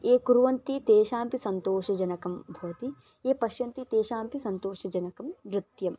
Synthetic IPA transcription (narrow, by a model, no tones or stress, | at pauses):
eːkuɾuʋɐnt̪it̪eːʃaːmpisɐnt̪oːʃɐd͡ʒɐnɐkɐmbʱɐʋɐt̪i | eːpɐʃjɐnt̪it̪eːʃaːmpisɐnt̪oːʃɐd͡ʒɐnɐkɐmʋɾɪt̪jɐm